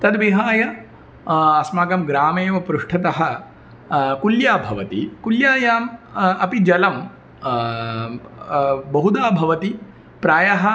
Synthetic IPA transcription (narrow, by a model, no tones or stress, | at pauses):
t̪ɐd̪ʋiɦaːjɐ | ɐsmaːɡɐmɡɾaːmeːʋɐpɾuʂʈʰɐt̪ɐɦɐ̆ | kuljaːbʱɐʋɐt̪ikuljaːjaːmɐpid͡ʒɐlɐm | bɐɦud̪aːbʱɐʋɐt̪i | pɾaːjɐɦɐ